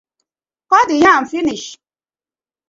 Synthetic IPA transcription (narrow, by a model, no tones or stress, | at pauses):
kɔdijãm̩finiʃ